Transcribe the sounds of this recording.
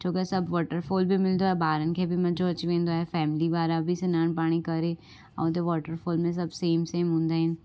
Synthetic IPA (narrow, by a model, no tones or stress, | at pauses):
t͡ʃʰoːkesɐbʋɔːʈəɾfoːlbʱimɪld̪oɦɛbaːɾənkʰebʱimɐd͡ʒoɐt͡ʃʋẽːnd̪oɦɛfɛːmliʋaːɾabʱisɪnaːnpaːɽ̃ikɐɾeː | ɔ̰ːd̪eʋɔːʈəɾfʰoːlmẽs̬ɐbseːmseːmɦʊ̃nd̪aɦɛ̃n